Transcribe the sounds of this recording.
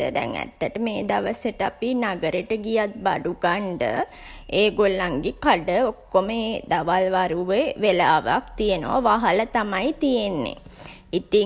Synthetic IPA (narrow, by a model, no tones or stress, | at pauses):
ə̰d̪ɛ̰ŋæ̰t̪ːəʈəmeːd̪aʋəsəʈəapinaɡəɾeʈəɡijat̪̚baɖuɡaɳɖə̰ | eːɡolːaŋɡekaɖəokːoməed̪aʋalʋaɾuʋeʋelaːʋa̰kt̪ijenə̰ʋa̰ʋaɦalət̪amajt̪ijenːḛ | it̪i